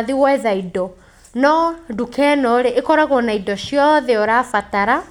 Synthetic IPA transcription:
ðiwɛðaidɔ | nɔdukʰɛnɔɾeʔekɔɾaɣwɔnaidɔɕjɔðɛoɾafataɾa

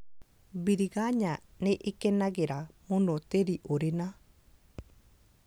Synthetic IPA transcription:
biɾiɣaɲaneʔekɛnaɣeɾamonɔteɾiʔoɾena

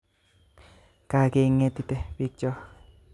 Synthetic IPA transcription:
kakeŋet̪it̪epik̚t͡ʃo

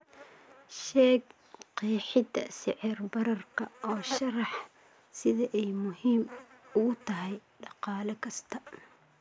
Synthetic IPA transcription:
ʃɛːɡ | qiːħɪd̪ɐ̰sɪʕɪrbɐɾɐrkʰɐʔɔːʃɐɾɑħ | sɪðɐʔɛjmʊɦiːmʊɣʊt̪ʰɐɦɛjɖɑqɑːlɐkʰɐst̪ʰɐ

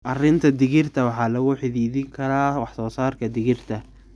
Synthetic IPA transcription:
ʔɐrɪnt̪ʰɐd̪ɪɣɪrt̪ʰɐwɑħɑːlɐɣʊħɪðiːðɪŋkʰɐɾaːwɑħsɔːsaːrkʰɐd̪ɪɣɪrt̪ʰɐ

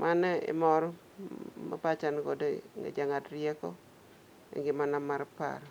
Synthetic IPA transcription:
mʔanḛmɔɾɔ | ma̰pat͡ʃankodoŋḛd͡ʒaŋadɾjekɔ | ḛŋɡɪmanamarpa̰ɾ

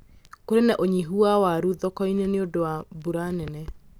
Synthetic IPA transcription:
koɾenɛʔoɲiɦuawaɾuðɔkɔinɛneodowabuɾanɛnɛ

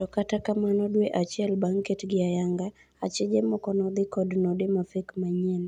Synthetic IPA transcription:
ɔkatakamanɔdweʔat͡ʃɛlbaŋkɛtɡɪajaŋɡa | at͡ʃɛd͡ʒemɔkɔnɔd̪ɪkɔdnɔdɪmafekmaɲɛn

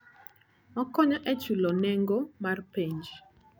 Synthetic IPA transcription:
mɔkɔɲɔʔɛt͡ʃulɔnɛŋɡomarpeɲd͡ʒ

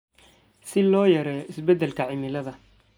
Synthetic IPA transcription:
sɪlɔːjɐɾɛɪsbɛd̪ɛlkʰɐʕɪmɪlɐðɐ

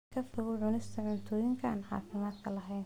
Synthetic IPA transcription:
kʰɐfʊɣʊʕʊnɪst̪ʰɐʕʊnt̪ʰɔːjɪŋkʰɐa̰ːnħɑ̰ːfɪmaːd̪kʰɐlɐɦɛjn

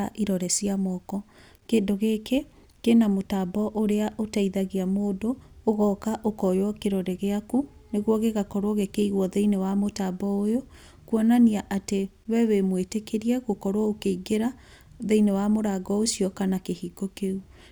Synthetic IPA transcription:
aʔiɾɔɾɛsiamɔkɔ | keːndoɣeːke | kenamotabɔʔoɾeaʔotaiðaɣiamoːdoːɣɔkaʔokɔjwɔkeɾɔɾɛɣeakuneɣwɔɣeɣakɔɾwɔɣekeiɣwɔðeinewamotabɔojo | kwɔnaniaʔate | wɛwemwetekeɾiɛɣokɔɾwɔokeiɡeɾa | ðeinewamoɾaɡɔosiɔkanakehiɡokeu

